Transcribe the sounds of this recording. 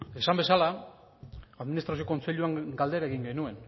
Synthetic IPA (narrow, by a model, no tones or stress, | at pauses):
e̞sambe̞sala | aðminist̪ɾasioko̞nt͡se̞ʎuaŋɡald̪e̞ɾaeɣiŋɡe̞nue̞n